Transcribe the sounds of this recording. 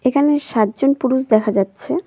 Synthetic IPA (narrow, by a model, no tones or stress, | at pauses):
ekʰaneʃat̪̚d͡ʑonpuɾuʃd̪ɛkʰad͡ʑatːɕʰe